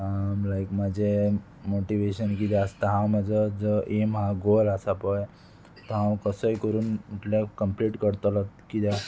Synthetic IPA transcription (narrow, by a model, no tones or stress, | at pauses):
ɦamlajkmad͡ʑʱe | moʈiʋeɕənkid̪aəst̪aɦãwmad͡zəd͡zəʔemɦãɡolasapɔj | t̪ɔɦãwkəsəikəɾuːnuʈlakəmpliʈkəɽt̪əlɔt̪kid̪a